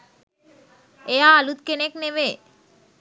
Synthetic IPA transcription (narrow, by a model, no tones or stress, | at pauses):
eaːlut̪̚kenekneʋe